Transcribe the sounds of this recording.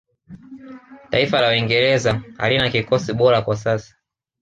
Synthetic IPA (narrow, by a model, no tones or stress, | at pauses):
taifalawiŋɡɛɾɛzaha̰linakikɔsiɓɔɾakwasasḁ